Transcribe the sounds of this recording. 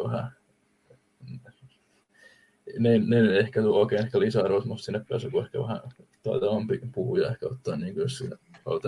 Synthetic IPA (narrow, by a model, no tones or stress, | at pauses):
ʋæhæ | n | nenenehkæt̪uoːkeˑːnehkælisæɑrʋosmust̪sinːepæ̰ːsykuehkæ̰ʋæhæ̰̃t̪ɑit̪ɑʋɑmpipuhujɑehkæot̪ːɑːnniːŋkujossinːæhɑ̰ut̪ɑ